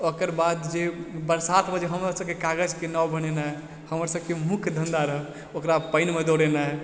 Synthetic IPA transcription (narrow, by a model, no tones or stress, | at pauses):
okəɾbad̪d͡ʒebəɾsat̪ʰbəd͡ʒeɦəmɾasəbkekaɡəd͡ʒkenawbənenaɦe | həməɾsəbkemukʰd̪ʱənd̪aɾəb | okɾapəɪnmed̪oɽenaɦe